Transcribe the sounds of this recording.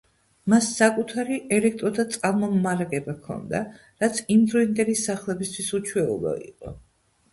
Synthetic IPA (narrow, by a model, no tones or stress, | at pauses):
masːakʼut̪ʰaɾiʔɛlɛk̚ʰt̪ʼɾɔd̪at̪sʼqʼalmɔmmaɾaɡɛbakʰɔ̰nd̪a̰ | ɾat̪sʰimd̪ɾɔind̪ʼɛɾisaχlˠɛbist̪ʰwisut͡ʃʰwɛṵlˠɔ̰ḭqʼɔ̰